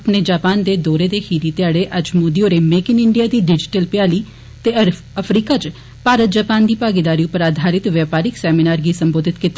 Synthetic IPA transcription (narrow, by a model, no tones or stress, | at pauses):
pneːd͡ʒaːpaːnd̪eːd̪ɔːɾeːd̪eːhiːɾiːt̪ɪjaːɽeːʔəd͡ʒmoːd̪ioːɾeːmeːkɪnɪɳɖijaːd̪iːɖɪd͡ʒɪʈəlpɪjaːliː | t̪eː | əpʰɾiːkaːt͡ʃ | paːɾət̪̚d͡ʒaːpaːnd̪iːpaːɡɪd̪aːɾiũpɾaːd̪ʱaːɾɪt̪ʋjaːpaːɾɪksɛːminaːɾɡiːsəmboːd̪ʱɪt̪kɪt̪